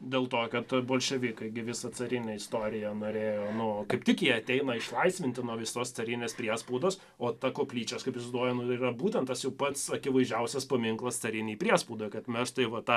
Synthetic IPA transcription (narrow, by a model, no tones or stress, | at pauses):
d̪ʲeːlˠt̪oːkɐt̪boːlʲʃʲɛʋʲiːkɐɪɡʲɪʋʲɪsɐt͡s̪ɐɾʲɪnʲɛɪst̪oːɾʲɪjɛnoːɾʲeːjoːnʊkɐɪp̚t̪ʲɪkjiɛɐt̪ʲɛɪnɐɪʃlˠɐɪsʲʋʲɪnʲt̪ʲɪnuɔʋʲɪsoːst̪sɐɾʲɪnʲeːspʲɾʲiɛspuːd̪oːs | oːt̪ɐkoːpʲlʲiːt͡ʃʲɛːskɐɪpɪsʲd̪oːjɛnʊiːrɐbuːt̪ʲɛnt̪ɐsjɛʊpɐt̪sɐkʲɪʋɐɪʒʲɛʊsʲɛspɐmʲɪŋklˠɐst̪sɐɾʲɪnʲiːpʲɾʲiɛspuːd̪oːjkɐt̪mʲɛsʃt̪ɐɪʋɐt̪ɑ